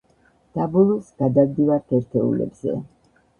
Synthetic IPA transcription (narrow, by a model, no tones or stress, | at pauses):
d̪̥abɔlˠɔsɡ̥ad̪avd̪ivaɾt̪ʰɛɾt̪ʰɛṵlɛ̰bz̥ɛ̰